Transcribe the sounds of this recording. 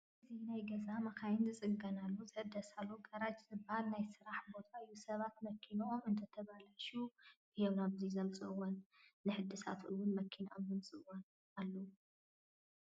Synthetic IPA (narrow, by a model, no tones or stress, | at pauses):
ʔʔɨzinajɡɐzamɐkʰajɪnzɨt͡sʼɨɡɐnalːuzɨħɨd̪ːɐsalːoɡɐɾat͡ʃʼzɨbhalnajsɨɾaħbo̞t̪ʰaɨjːusɐβat̪̚mɐkʰːinɐʔomɨnt̪ʰɐt̪ʰɐβalaʃubɨjɛwnaβzizɐmt͡sʼɨwɐnːɨħɨd̪ɨsa̰t̪ʔɨwʊnmɐkʰːinaʔomzɐmsʼɨwɐn | alːo